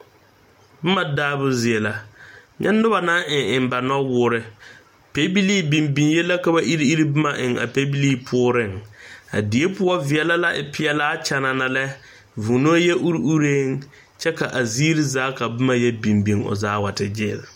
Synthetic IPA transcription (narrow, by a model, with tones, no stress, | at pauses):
bʊ˦ma˨daː˦bʊ˦zɪ˨e˨la˨ɲɛ̰˦nːʊ˦ba˨na˦ʔɪ˨ɪ˨mba˨nɔ˦wʊː˦ɾɪ˦ | pe˦bi˦liː˦bi˨mbi˨ŋjɛ˦la˦ka˨ba˦ʔi˦ɾi˦i˦ɾi˦bʊ˦ma˨ʔɪ˨ŋa̰˨pe˦bi˦li˦pʰʊː˦ɾɪ˦˨ŋa̰˨di˨e˦pʊ˦ɔ˦vɪ˨ɛ˨la˦la˦ʔɪ˨pʰɪ˦ɛ˦laː˦t͡ʃɛ˦na˨na˨lɛ˦ | vu˨no˦jɛ˦ʔu˦ɾi˦u˦ɾeː˦ŋ | t͡ʃɛ˦ka˨ʔa˨ziː˦ɾi˦zaː˦ka˨bʊ˦ma˦jɛ˦bi˨mbi˨ŋʊ̰˨zaː˦wa˨tɪ˨d͡ʒɪː˦˨l